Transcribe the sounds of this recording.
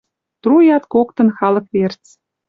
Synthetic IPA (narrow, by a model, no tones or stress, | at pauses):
t̪rujɑt̪kokt̪ɤ̆nxɑlɤ̆kβert͡s